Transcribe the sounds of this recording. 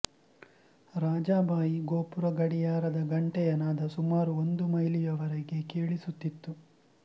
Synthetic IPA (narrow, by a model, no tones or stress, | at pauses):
ɾaːd͡ʒaːbaːjiɡoːpuɾɐɡɐɽijaːɾɐd̪ɐɡɐɳʈɛjɐnaːd̪ɐsumaːɾuond̪umɐjlijɐʋɐɾeɡe̞keːɭisut̪ːit̪ːu